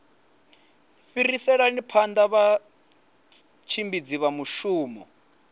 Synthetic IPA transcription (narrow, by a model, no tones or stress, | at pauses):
fiɾisɛɺanipʰand̪aβa | t͡ʃʰimbid͡ziβamuʃuːmɔ̰